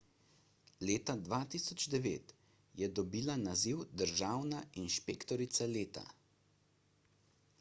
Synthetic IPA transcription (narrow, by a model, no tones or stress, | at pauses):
leːt̪ad̪ʋat̪isɔd͡ʒd̪ɛʋḛːt̪ | jɛd̪ɔbiːlanaziwd̪əɾʒaːwnainʃpeːkt̪ɔɾit̪saleːt̪a̰